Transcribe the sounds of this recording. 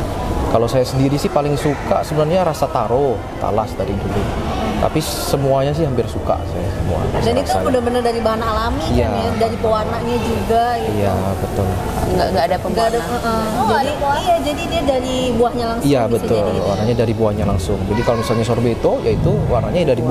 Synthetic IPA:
kalosajasəndiɾisɪhpalɪŋsuka̰ʔsəbənarɲaɾasat̪aɾo | t̪a̰lasdaɾindulɪtt̪a̰pi | səmuaɲas̬ɪhampɪrsuka̰saja̰səmṵa̰danik̪ua̰mudahbənərdaɾibaɦanalamijaadaɾipəwanaʔɲad͡ʒuɡaijabət̪ʊl̰ | ŋɡa̰ŋɡaːdapəɡadaəʔə | d͡ʒaiajad͡ʒadidiadaɾibuahɲalaŋijabət̪ʊlwa̰ɾaɲadaɾibuahɲalaŋsʊŋd͡ʒadikalomisalɲasorbet̪ojait̪uwaɾaɲadaɾib

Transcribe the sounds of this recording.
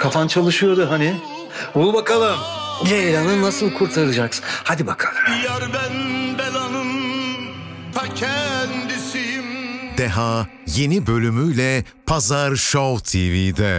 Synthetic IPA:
kʰafant͡ʃʰalˠɯʃɯjo̞ɾd̪ʊɦanɪ | ubakalˠɯm | elʲanɯnasɯlˠkʰuɾt̪ʰaɾɯlˠɯd͡ʒaksɯ̥nhad̪ibakʰḁlˠɯjæɾd̪ænbelanɯm | t̪ʰacʰɛnd̪isimd̪ɛɦa | je̞nibø̞lʲymyjlʲɛ | pʰazaɾʃowt̪ʰivid̪ɛ

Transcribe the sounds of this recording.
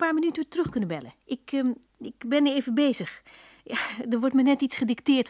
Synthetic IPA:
paːminytəətrɵxkɵnəbɛlə̰ɪk | ɪkbɛnəeːvəbeːzəx | jadərʋɔrtmɛnɛtitsχədɪktɪːrt

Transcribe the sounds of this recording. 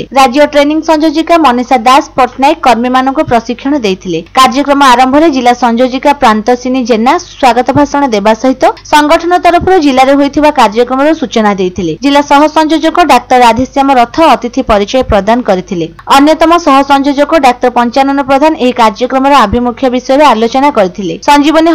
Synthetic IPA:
ɾad͡ʒjɔʈɾeniŋsɔnd͡ʒod͡ʒikamɔnisad̪aspɔɾʈʰnajkːɔɾmimanɔŋkupɾɔsikʰːjɔɽ̃ɔd̪ejt̪ʰilekaɾd͡ʒɔkɾɔmɔaɾɔmbʱɔɾed͡ʒilːasɔnd͡ʒod͡ʒikapɾant̪ɔsinid͡ʒenaswaɡɔt̪ɔbʱasɔɽ̃ɔd̪ebasɔɦit̪ɔsɔŋɡɔʈʰɔnɔt̪ɔɾɔpʰɔɾɔd͡ʒilaɾeɦojt̪ʰibakaɾd͡ʒɔkɾɔmɔɾɔsut͡ʃɔnad̪ejt̪ʰiled͡ʒilːasɔɦɔsɔnd͡ʒod͡ʒɔkɔɖak̚t̪ɔɾad̪ʱisjamɔɾɔt̪ʰɔːt̪it̪ʰipɔɾit͡ʃɔjɔpɾɔd̪ankɔɾit̪ʰileɔnjɔt̪ɔmɔsɔɦɔsɔnd͡ʒod͡ʒɔkɔɖak̚t̪ɔɾpɔnt͡ʃanɔnɔpɾɔd̪ʱaneɦikaɾd͡ʒɔkɾɔmɔɾɔabʱimukʰjɔbisɔjɔɾealot͡ʃɔnakɔɾit̪ʰilesɔnd͡ʒibɔni

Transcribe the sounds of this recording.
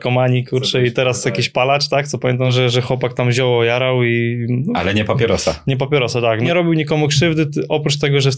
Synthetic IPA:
kɔmaɲikuɾt͡ʂɛit̪ɛɾasjakʲiɕpalat͡ʂt̪ak̚t̪sɔpamʲɛnt̪amʐɛʐɛxwɔpak̚t̪amʑɔwɔjaɾawia̰lɛɲɛpapʲjɛɾɔsa̰ɲɛp̬apʲɛɾɔsat̪aknɛɾɔbʲiwɲikɔmukʂɘvd̪ɘɔpɾut͡ʂt̪ɛɡɔʐɛ

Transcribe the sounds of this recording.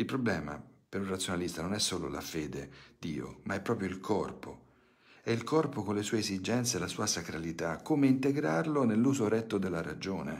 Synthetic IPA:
ilpɾoblɛːma̰peɾunrat̪sːjonalist̪anonɛsːoːlo̰la̰feːd̪ed̪̥iːo̰maɛpːɾɔːpɾjoilkʰɔrpo | ɛilkʰɔrpokonlesuːeːzid͡ʒɛnt̪selasuːasakɾalit̪akːomeint̪eɡɾarlonelːuːzoɾɛt̪ːod̪elːaɾa̰d͡ʒoːnḛ

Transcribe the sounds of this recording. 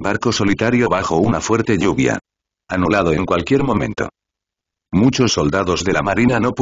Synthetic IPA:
baɾko̞so̞lit̪aɾjoβaxo̞unafwe̞ɾt̪e̞ʎuβja̰ | anulað̞o̞e̞ŋkwalkje̞ɾmõ̞mẽ̞̰nt̪o̰ | mut͡ʃo̞sːo̞ld̪aðo̞zðe̞lamaɾinano̞p

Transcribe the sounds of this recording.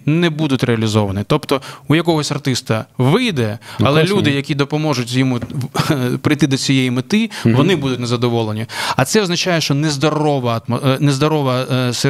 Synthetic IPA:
nɛbud̪ʊtʲɾeɐlʲizɔʋɐnit̪ɔpt̪ɔujɐkɔɦɔsʲɐrt̪ɪst̪ɐʋɪjd̪ɛɐlˠɛlʲud̪ɪjɐkʲid̪ɔpɔmɔʒʊtʲjɔmu | pɾɪjt̪ɪd̪ɔt͡sʲijɛjimɪt̪ɪʋɔnɪbud̪ʊtʲnɛzɐd̪ɔʋɔlˠenʲiɐt̪sɛɔznɐt͡ʃajɛʃt͡ʃɔnɛzd̪ɔɾɔʋɐɐt̪mnɛzd̪ɔɾɔʋɐse

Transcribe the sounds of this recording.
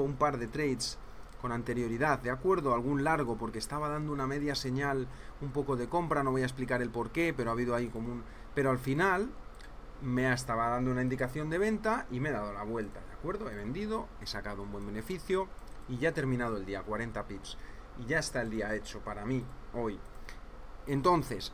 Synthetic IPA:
umpaɾðe̞t̪ɾe̞jt̪s | ko̞nant̪e̞ɾjo̞ɾiðaððeakwe̞ɾðo̞alɣ̞unlaɾɣ̞o̞po̞ɾkest̪aβ̞aðand̪ouname̞ðjase̞ɲal | umpo̞ko̞ðe̞ko̞mpɾano̞βo̞jaes̬plikaɾe̞lpo̞ɾke̞pe̞ɾoaβ̞iðoaiko̞mũn | pe̞ɾoalfinal | me̞aest̪aβaðand̪ounaind̪ikaθjo̞nd̪e̞β̞e̞nt̪aime̞ðað̞o̞laβ̞we̞lt̪aðeakwe̞ɾðo̞e̞βe̞nd̪ið̞o̞e̞sakaðoumbwe̞mbe̞ne̞fiθjo̞iʝaet̪e̞ɾmĩnaðoe̞ld̪iakwaɾe̞nt̪apips | iʝae̞st̪ae̞ld̪iae̞t͡ʃo̞paɾamio̞j | e̞nt̪o̞nθe̞s

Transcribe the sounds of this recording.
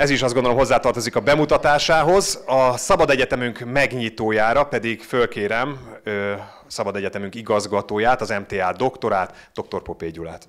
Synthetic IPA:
ɛziʃɒzdɡond̪oomɦo̞zːaːt̪ɒrt̪o̞zikɒbɛmut̪ɒt̪aːʃaːɦo̞zɒsɒbɒd̪ɛɟɛt̪ɛmyŋkmɛɡɲit̪oːjaːɾɒpɛd̪iɡfølkeːɾɛmø | sɒbɒd̪ɛɟɛt̪ɛmyŋkiɡɒzɡɒt̪oːjaːt̪ɒzɛmt̪eːaːd̪o̞kt̪o̞ɾaːt̪d̪o̞k̚t̪o̞rpo̞peːɟula̰ːt̪

